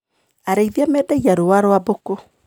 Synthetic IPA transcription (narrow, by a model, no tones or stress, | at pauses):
aɾeiðiamɛːdɛɣiaɾowaɾoaboko